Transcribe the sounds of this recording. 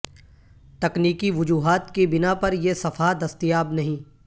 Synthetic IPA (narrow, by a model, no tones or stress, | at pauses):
t̪ɐkniːkiʋʊd͡ʒuːɦaːt̪kibɪnapɐɾjesɐfʰad̪ɐst̪ijaːbnɐɦĩː